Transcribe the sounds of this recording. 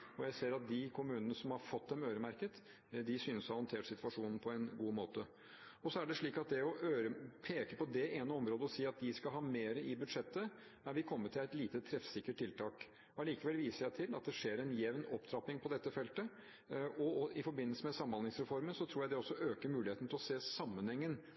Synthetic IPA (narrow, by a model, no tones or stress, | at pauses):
ɔjæɪseːɾɑt̪̚d̪ɪkʰʊmʉːnənəsɔmhɑɾfɔt̪d̪ɛmøːɾəmæɾkət̪ | d̪ɪsyːnəsɔhɑnt̪ʰeːʈsɪt̪ʋɑʂuːnn̩pʰɔɛnɡuːmoːt̪ə | ɔsɔæɖɛʂɭiːkɑt̪̚d̪ɛɔʔøːɾəpʰeːkəpɔd̪ɛʔeːnəɔmɾoːd̪əɔsiːɑt̪̚d̪ɪskɑlɦɑːmeːɾəɪbʉd̪ʂɛt̪ːə | æɾʋɪkʰɔmːət̪ʰɪlæɪt̪liːt̪ət̪ʰɾɛfsɪkːəʈ̪̚ʰːɪlt̪ʰɑːk | ɑliːkəʋɛlʋiːsəʂæɪt̪ʰɪlɑ̰t̪̚d̪ɛʂeːɾɛnjɛʋnɔpːd̪ɾɑpːɪŋpʰɔd̪ɛt̪ːəfɛlt̪ə | ɔɪfɔɾbɪnːəlsəmɛsɑmənɑnɪŋsɾɛfɔɾmənsɔt̪ʰɾuːjæɪd̪ɛɔsːɔʔøːkəɾmʉːlɪeːt̪n̩t̪ʰɪlɔseːsɑmːənhɛŋːən